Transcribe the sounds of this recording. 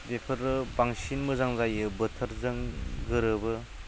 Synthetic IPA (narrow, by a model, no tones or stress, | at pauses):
bepʰɯɾɯbaŋsinmɯzaŋzajɯbɯtʰəɾzɯŋɡɯɾɯbɯ